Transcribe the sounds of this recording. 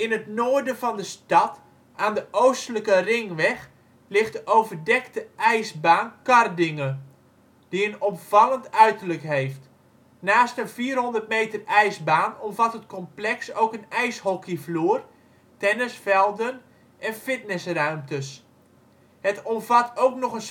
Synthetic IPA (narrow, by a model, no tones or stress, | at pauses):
ɪnətnoːərdənfɑndəstɑt | ʔaːndəʔowstələkərɪŋʋɛx | lɪχt̚dəʔowvərdɛktəʔɛjsbaːnkɑrdɪŋə | d̥iənɔpfɑlˠəntœɥtərləkɦejft | naːstənfiːrɦɔndərt̚mejtərɛjsbaːnɔmvatɦətkɔmplɛksowkənɛjshɔkəfluːər | tɛnəsfɛlˠdən | ʔɛnfɪtnɪsrœɥmtəs | hətɔmvɑtʰowknɔχən